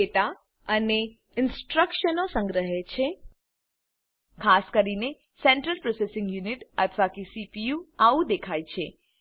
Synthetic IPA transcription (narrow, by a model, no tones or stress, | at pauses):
et̪a | əne | ɪnsʈɾəkʃənosə̃ŋɡɾəɦet͡ʃʰe | kʰaskəɾine | sɛɳʈɾəlpɾosesɪ̃ŋɡjuniʈət̪ʰʋakisipijuaʋũd̪ekʰajt͡ʃʰe